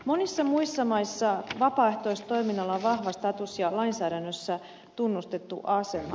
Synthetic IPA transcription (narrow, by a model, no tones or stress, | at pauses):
mo̞nisːɑmuisːɑmɑisːɑʋɑpɑːe̞ht̪o̞ist̪o̞jminːɑlːɑʋɑhʋɑst̪ɑt̪usjɑlɑinsæːɾænːøsːæ | t̪unːust̪e̞t̪ːṵʔɑsemɑ̰